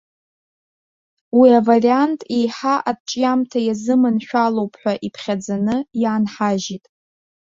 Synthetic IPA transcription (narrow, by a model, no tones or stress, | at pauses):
wiavariantʼejħaʔadʈ͡ʂʼjamtʰajazɨmɨnʃᶣalowpʼʰħʷᶣaʔipʰχʲad͡zanɨjaːnħaʒitʼ